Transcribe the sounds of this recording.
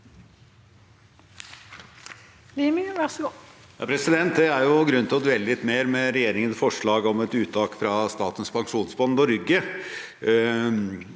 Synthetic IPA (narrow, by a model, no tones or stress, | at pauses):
limɪʋɛʁsjɑ̰ːpʰɾɛsɪd̪ɛnt̪d̪ɛæɾjʊɡɾʉnːt̪ʰɪlɔd̪ʉʋɛlːəlɪt̪ːmeːɾmɛɾɛjeːɾɪŋənsfɔʂɭɑːɡɔmɛt̪ʉːt̪ʰɑːkfɾɑst̪ɑːt̪ən̩spʰɑŋʂuːnsbɑnd̪ɔɾʏɡə